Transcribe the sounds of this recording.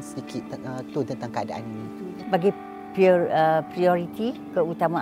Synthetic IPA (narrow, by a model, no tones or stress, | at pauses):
nsədikɪt̪t̪ut̪ənt̪aŋkəadaʔaninĩt̪ | baɡi | pəpɾiɔɾit̪ikəut̪amã